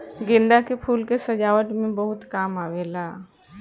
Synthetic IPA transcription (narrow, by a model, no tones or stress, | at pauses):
ɡind̪akepʰuːlkesəd͡ʒaʋəʈmẽbəɦut̪kaːmaʋela